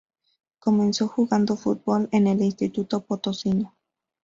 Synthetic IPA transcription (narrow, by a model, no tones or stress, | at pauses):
komẽnsoxuɣand̪ofṵt̪̚bolenelinst̪it̪ut̪opot̪osino